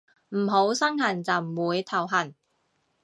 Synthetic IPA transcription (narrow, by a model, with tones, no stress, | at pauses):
m̩˨˩ɦo˨˥wsɐ˥ŋɦɐ˨˩nt͡sɐ˨wm̩˨˩wuː˨˧jt̪ʰɐ˨˩wɦɐ˨˩n